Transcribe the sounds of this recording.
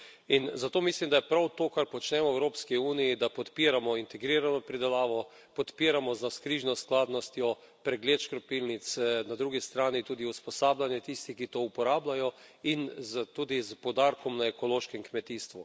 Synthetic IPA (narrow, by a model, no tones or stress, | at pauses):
inzat̪oːmislimd̪ajɛpɾawt̪oːkaɾpɔt͡ʃnɛmɔɛwɾoːpskiuːnijid̪apɔt̪piːɾamɔint̪ɛɡɾiːɾanɔpɾid̪ɛlaːʋɔ | pɔt̪piːɾamɔzaskɾiːʒnɔsklaːd̪nɔst̪jɔ | pɾɛɡleːt̪ʃkɾɔpilnit̪snad̪ɾuɡist̪ɾaːnit̪uːd̪iuspɔsaːblanjɛt̪ist̪ixkit̪oupɔɾaːblajɔinzt̪uːd̪izpɔd̪aːɾkɔmnaɛkɔloːʃkɛŋkmɛt̪iːst̪ʋu